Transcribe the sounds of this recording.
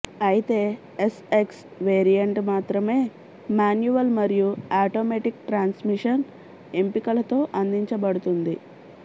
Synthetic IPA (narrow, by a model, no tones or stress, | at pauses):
ɐjit̪e̞ː | eseks | ʋeːɾijɐɳʈmaːt̪ɾɐme̞ː | maːnjuʋɐlmɐɾijuaːʈoːmeʈikʈɾaːnsmiʂɐn | empikɐlɐt̪o̞ːʔɐnd̪iɲt͡ʃɐbɐɽut̪und̪i